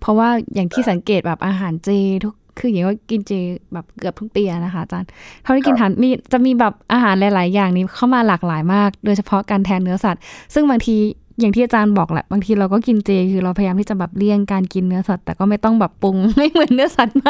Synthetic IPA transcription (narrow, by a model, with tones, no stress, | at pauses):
pʰɔ˦˥waː˥˩jaː˨˩ŋt̪ʰiː˥˩sa˩˦ŋkeː˨˩t̪̚bɛː˨˩p̚ʔaː˧ɦaː˨˩˦nt͡ɕeː˧t̪ʰu˦˥kkʰːɯː˧ji˨˦ŋkɔː˥˩ki˧nt͡ɕeː˧bɛː˨˩p̚kɯ˨˩p̚t̪ʰu˥k̚t̪iː˧a˨˩na˦˥kʰa˦˥a˧t͡ɕaː˧nkʰt̪ʰiː˥ki˧nɦaː˩˦nmiː˧t͡ɕa˨˩miː˧bɛː˨˩p̚ʔaː˧ɦaː˩˦nla˨˦jlaː˨˩˦jːaː˨˩ŋniː˧˥kʰa˥˩wmaː˧laː˨˩k̚laː˨˩˦jmaː˥˩k̚doː˧jt͡ɕʰpʰɔ˧˦˥kaː˧nt̪ʰɛː˧nːɯ˦˥ɐsa˨˩t̪̚sɯ˥˩ŋbaː˧ŋt̪ʰiː˧ja˨˩t̪ʰiː˥˩ʔaː˧t͡ɕaː˧nbɔː˨˩k̚lɛ̰˨˩ʔbaː˧ŋt̪ʰiː˧ɾa˧wkɔː˥˩ki˧nt͡ɕeː˧kʰɯː˧ɾa˧wpʰa˧jaː˧mt̪ʰiː˥˩t͡ɕa˨˩bɛː˨˩p̚li˥˩əŋkaː˧nki˧nːɯ˦˥ɐsa˨˩t̪ːɛː˨˩kɔː˥˩ma˥˩jt̪ɔ˥˩ŋbɛː˨˩pːu˧ŋma˥˩jmɯ˨˩˦nːɯ˦˥ɐsa˨˩t̪̚ma˥˩